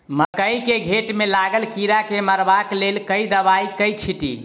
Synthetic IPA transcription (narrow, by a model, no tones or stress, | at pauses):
məkəikeɡʱeʈmelaɡəlkiɾakeməɾbaklelkəid̪əβaikəjt͡ʃʰiʈḭ